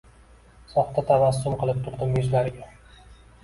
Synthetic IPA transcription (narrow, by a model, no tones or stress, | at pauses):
sɒχt̪ʰat̪ʰavasːʊmqʰɨlˠɪp̚t̪ʰʊɾd̪ɪmjʊzlaɾɪɡʲa